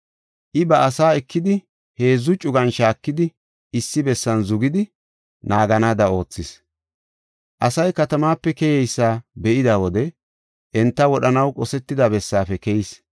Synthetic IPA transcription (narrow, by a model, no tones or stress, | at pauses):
ʔɪbɐʔːsaːɛkːɪd̪ɪ | he̞ːzːʊt͡ʃʼʊɡɐnʃaːkːɪd̪ɪ | ɪsːɪbɛsːɐnzʊɡɪd̪ɪ | naːɡɐnaːd̪ɐo̞ːt͡sːɪs | ʔɐsɐjkɐt̪ɐmaːpːɛkɛjɛjsːaːbɛʔɪd̪awɔd̪ɛ | ʔɛnt̪ːɐwɔɗɐnɐwkʼɔsɛt̪ːɪd̪abɛsːaːfɛkɛjɪs